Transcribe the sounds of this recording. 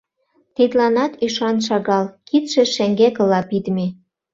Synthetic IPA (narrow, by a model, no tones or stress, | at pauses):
t̪id̪lɑnɑt̪yʃɑnʃɑɣɑlkit̪ʃĕʃeŋɡekə̆lɑpid̪mi